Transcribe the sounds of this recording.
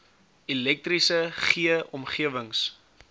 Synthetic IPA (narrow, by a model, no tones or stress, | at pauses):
ilɛk̚t̪risəχiəʔɔmχiəvəŋs